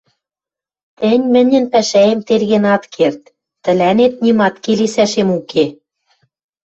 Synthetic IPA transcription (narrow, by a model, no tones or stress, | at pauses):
t̪ɘ̆nʲmɘ̆nʲɘ̆npæʃæemt̪erɣenɑt̪kʰert̪ː | ɘ̆lænet̪̚nimɑt̪kelesæʃemuke